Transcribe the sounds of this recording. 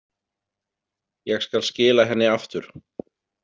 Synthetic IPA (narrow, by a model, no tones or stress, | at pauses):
jɛɣskalscɪːlaɦɛnːɪaft̪ʏɾ̥